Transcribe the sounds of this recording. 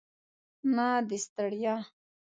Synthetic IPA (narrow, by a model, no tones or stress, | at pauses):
nad̪ist̪aɽja